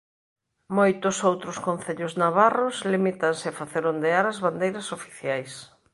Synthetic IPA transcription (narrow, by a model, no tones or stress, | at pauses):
mojt̪ʊsowt̪ɾʊskõnθeʎʊznaβaroslimit̪ɐnsɪafaθeɾond̪eaɾazβand̪ejɾɐsofi̥θjajs